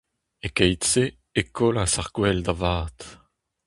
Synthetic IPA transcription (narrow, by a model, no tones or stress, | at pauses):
ekɛjt͡se | ekolasaʁkwɛld̪avaːt̪